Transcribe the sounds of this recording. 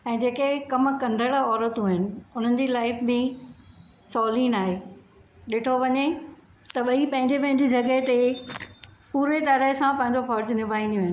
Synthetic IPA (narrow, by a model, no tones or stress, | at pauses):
ɛ̃ːd͡ʑeːkekɐmkɐ̃nd̪ʱəɽɔːɾət̪uːɦɪnɪ̆ʊn̤ənɪ̆d͡ʑiːlaːɪfbɪ̃ | sɔːlĩːnaːɦe | ɗɪʈʰoʋɐɲe | t̪ɐɓɐipɐ̃ɦɪ̃ɲd͡ʑepɐ̃ɦɪ̃ɲd͡ʑid͡ʑɐɡəɦt̪e | puːɾeɗ̪ɐɾəsãpɐ̃ɦɪ̃ɲ̆d͡ʑofɔːɾd͡ʑnɪʋʱaːĩnd̪ijoːɦɪnɪ̆